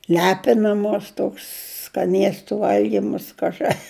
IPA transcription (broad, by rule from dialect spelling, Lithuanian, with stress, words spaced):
ˈlʲæːpʲɪnɐmoːs ˈtoːks skɐˈnʲiɛstʊ ˈʋɐlʲɡʲiːmɐs ˈkɑːʒɨ